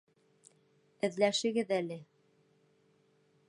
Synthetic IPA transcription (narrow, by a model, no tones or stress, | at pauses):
ɘ̆ðlæʃɘ̆ɡɘðælɘ